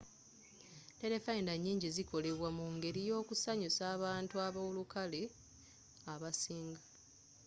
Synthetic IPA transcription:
te̞ɾe̞faindaɲːiːɲɟiziko̞le̞βwamuŋɡe̞ɾijo̞ːkusaɲusaːβaːntuaβolukale̞ | aβasiːŋɡḁ

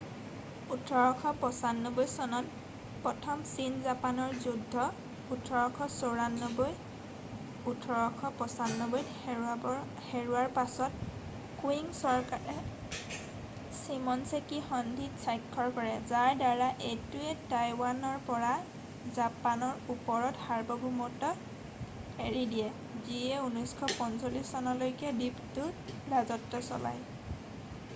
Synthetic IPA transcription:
utʰɔɹɔkʰɔpɔsanːobojsɔnɔn | pɹɔtʰɔmsinzapanɔɹzudʱːɔ | utʰɔɹɔkʰɔsoɹanːoboj | utʰɔɹɔkʰɔpɔsanːoboj | ɔ | xeɹuaɹpasɔt̚ | kuiŋsɔɹkaɹɛ | simɔnsekixɔndʱitsajkʰːɔɹkɔɹɛzaɹdaɹaʔetuɛtajwanɔɹpɔɹa | zapanɔɹupɔɹɔthaɹbɔbʱumɔtɔ | eɹidijɛ | ziɛunɔjskʰɔpɔnsolisɔnalojkɛdiptʊɹazɔtːɔsɔla̰j

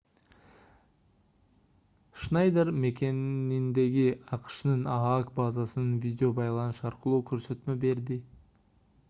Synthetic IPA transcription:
ʃnɑjd̪eɾme̞kʲe̞nind̪e̞ɡiɑqʃnɯnɑɑkbazasənɯnvʲidʲeo̞bɑjlˠɑnuʃɑɾqəlˠuːkʰɵɾsø̞t̪me̞be̞ɾd̪ɪ

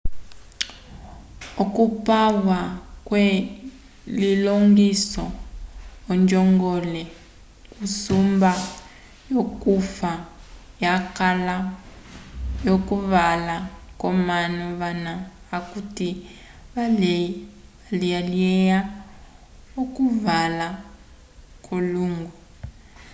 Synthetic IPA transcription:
okupawakwe | liloŋɡisɔː | nd͡ʒɔŋɡɔlɛ | kusumba | jokufa | jakala | jokuβalakɔmanɔβanaː | kuti | βal | alijaliɛja | okuvala | kʰoluːŋɡɔ

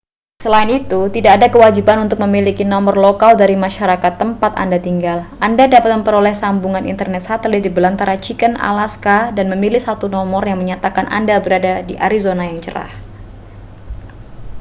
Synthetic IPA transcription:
səlaɪnit̪ut̪idaːdakəwad͡ʒibanunt̪ʊk̚məmilikinɔmɔrlokaldaɾimaʃaɾakat̪ːəmpat̪a̰ndat̪iŋɡalʔandadapat̪̚məmpəɾolɛhsambuŋanḭnt̪ərnɛt̪̚sat̪əlit̪̚dibəlant̪aɾat͡ʃikəna̰laskadanməmilihsat̪unɔmɔrjaŋməɲat̪akanʔa̰ndabəɾadadiʔa̰ɾizonajaŋt͡ʃəɾa̰h

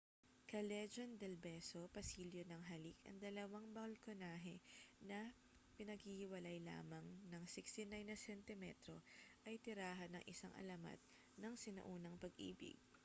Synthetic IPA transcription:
kɐlɛd͡ʒond̪ɛlbɛso̞pɐsiːljonɐŋɦɐlikɐ̰ŋd̪ɐlɐwaŋbɐlkonaːɦɛnɐ | pɪnɐɡhihɪwɐlajla̰ːmɐŋnɐŋsɪkst̪ɪnajnːɐsɛnt̪ɪmɛ̰t̪ɾo̞ʔɐjt̪ɪɾaːɦɐnɐŋʔɪsaŋʔɐ̰lɐmɐ̰d̪̚ | nɐŋsɪnɐ̰ʔuːnɐŋpɐɡʔḭːbɪ̰ɡ̚

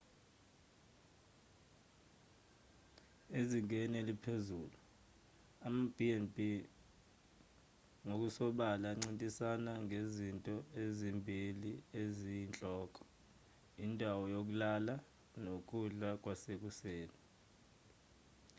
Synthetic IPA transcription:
eziŋʱɛnɛlipʰezuːlu | amab̥ʱiɛnbʱi | ŋok̬usɔɓalaŋ͡ǀintʼisanaŋɡʱezintʼɔezimbʱiliezijint͡ɬʼɔːkʼɔ̥ | indʱawɔjok̬ʼulala | nok̬ʼuɮak̬ʼwasek̬useːni

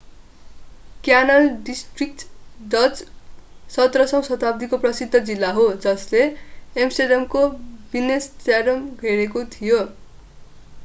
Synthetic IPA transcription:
kjanʌlɖisʈrik̚ʈdʌd͡z | sʌt̪rʌsʌ̃w̃sʌt̪ab̚d̪ikoprʌsid̪ʱːʌd͡zilːaɦod͡zʌsleːmsedʌmkobinestaɾʌmɡʱeɾekot̪ʰijo

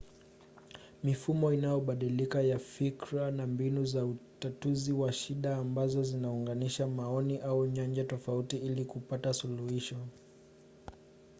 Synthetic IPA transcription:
mifumɔinajɔɓaɗilikajafikɾanambinuzautatuziwaʃiɗaːmbazɔzinauŋɡaniʃamaɔniʔauɲand͡ʒatɔfautiilikupatasuluhiʃɔ

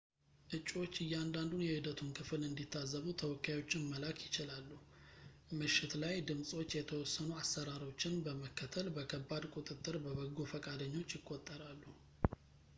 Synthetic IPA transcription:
ʔɨt͡ʃʼːwo̞t͡ʃːɨjːand̪and̪unjɛhɨd̪ət̪ʰumkʰɨfɨlɨnd̪it̪ʰːazːəβut̪ʰəwɔkʰːajo̞t͡ʃːɪnməlakʰjɪt͡ʃɪlalːu | mɨʃːɪt̪lajd̪ɨmsʼo̞t͡ʃːjɛt̪ʰəwɔsːənuasːəɾaɾo̞t͡ʃːɪnbəməkːət̪ʰəlbəkʰəbːad̪kʼut̪ʼɨt̪ʼːɨɾbəβəɡofəkʼad̪əɲːo̞t͡ʃːjɪkʼːo̞t̪ʼːəɾalːu

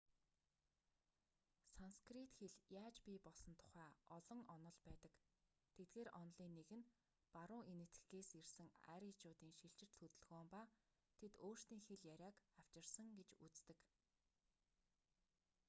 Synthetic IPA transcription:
sanskrit̪xeɮjaːt͡ɕpʲiːpɔɮsɞ̆nt̪ʰʊ̥χæːɔɮɞ̆ŋɔnɞ̆ɮpæːt̪ə̆k | t̪ʰet̪̚ɡeːɾʔɔnɮiːnːeɣɘ̆n | paɾʊːŋenɘ̆t̪ɡɘɡeːsersɘ̆ŋæ̰ɾit͡ɕʊːt̪iːŋʃiɬt͡ɕɪ̆t͡ɕt̪ʰɵt̪ɵ̆ɮɣoːmpa | t̪ʰet̪oːr̥st̪iːŋxeɮjæɾʲaːkaw̥t͡ɕɪ̆rsə̆ŋɡet͡ɕut͡st̪ɘ̆k

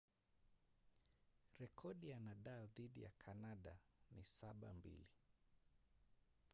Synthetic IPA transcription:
ɾɛkʰɔɗijanaɗaːðiɗija̰kʰanaɗanisaɓa̰mbḭli

